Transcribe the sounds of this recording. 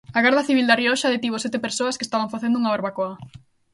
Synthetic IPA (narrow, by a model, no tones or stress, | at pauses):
aɣɛɾðɐθiβild̪ariɔʃaðet̪iβosɛt̪epeɾsoɐskest̪aβaɱfaθend̪ouŋaβaɾβakoɐ